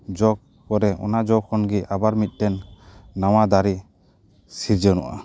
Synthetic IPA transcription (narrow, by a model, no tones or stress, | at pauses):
d͡ʒɔk̚ | kɔɾɛɔ̰nad͡ʒɔkʰɔnɡiʔabaɾmit̪̚ˀʈɛnːawad̪aɾi | siɾd͡ʒɔnɔ̰ʔa̰